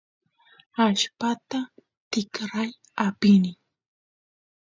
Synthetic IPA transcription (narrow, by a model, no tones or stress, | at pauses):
aʃpat̪a | t̪ɪkɾaj | apɪnɪ